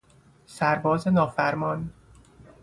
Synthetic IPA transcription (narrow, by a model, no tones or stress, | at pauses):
sæɾbɒːzenɒːfæɾmɒːn